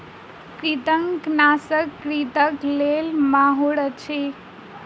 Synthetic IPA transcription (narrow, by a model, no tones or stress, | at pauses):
kɾit̪əŋknasəkːɾit̪əklelmaɦuɽət͡ʃʰe